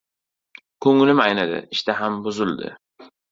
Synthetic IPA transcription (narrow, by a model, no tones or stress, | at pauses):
kʰɵŋlɪmajnad̪ɪ̰ɪʃt̪aɦambʊzɪlˠd̪ɪ̰